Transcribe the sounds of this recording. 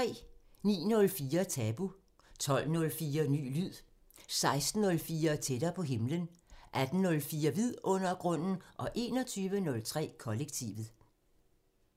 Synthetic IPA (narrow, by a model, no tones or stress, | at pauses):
t͡sʰʁɛ̰ːnḭːnɔ̽lfiːɐt͡sʰɛːb̥u | t͡sʰɒ̽l̰nɔ̽lfiːɐny̰ːlyð̰ˠ | sɑ̈ɪsd̥n̩ːɔ̽lfiːɐt͡sʰed̥ɐpʰɒ̽ɦe̝mlənʔæd̥n̩nɔ̽lfiːɐʋið̰ˠɔ̽n̰ɐɡ̥ʁɔ̽n̰n̩ʔɒ̽ʔe̝̰ːnɒ̽t͡sʰyːʋənɔ̽lt͡sʰʁɛ̰ːkʰɒ̽leɡ̥̚t͡sʰḭʋð̩ˠ